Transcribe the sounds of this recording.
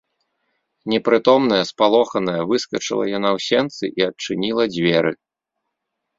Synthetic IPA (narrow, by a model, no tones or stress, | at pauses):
nʲɛpɾɨt̪ɔmnɐjɐspalˠɔxɐnɐjɐvɨskɐt͡ʂɨ̰lˠɐ̰janawsʲɛnt̪sɨ̰ʔiɐt͡ʂɨnʲilˠɐd͡zʲvʲɛɾɨ